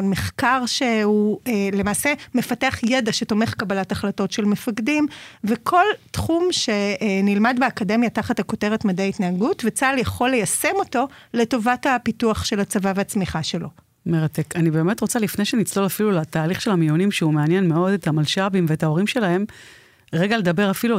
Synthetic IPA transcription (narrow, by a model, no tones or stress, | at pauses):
meχkaʁʃe̞uelemaːsemefateaχjedaʃe̞to̞meχkabalataχlato̞tʃe̞lmefaɡdimvekʰo̞ltχumʃe̞nilmadbeakade̞mjataχathako̞teʁetmadejaitnaːɡutvet͡saljaχo̞lːe̞jase̞mo̞to̞le̞to̞vatapituaχʃe̞lat͡savaveat͡smiχaʃe̞lo̞ | meʁate̞kanibe̞ːme̞tʁo̞t͡salifne̞jʃenit͡slo̞lafilulataːliχʃe̞lhamijonimʃeumeanjenmeo̞dethamalʃabimveetao̞ʁimʃe̞laɦe̞m | ʁeɡale̞d̪abe̞ʁafilu